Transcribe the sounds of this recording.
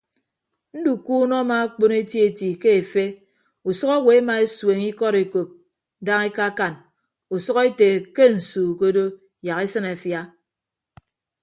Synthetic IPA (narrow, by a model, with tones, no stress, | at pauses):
n̩˦du˨kuː˦nɔ˦ma˨˦k͡po˦ne˦tje˦e˦˨ti˨ke˦e˨fe˦ | u˨sɔ˦ka˦we˨˦ma˨e˦swe˨ŋi˦kɔ˦ɾe˨ko˨p̚ | da˦ŋe˦ka˦ka˨n | u˨sɔ˦ɣe˦te˨ke˦n̩˨suː˨ko˦do˦ | ja˨ki˦sɨ˦na˨fja˦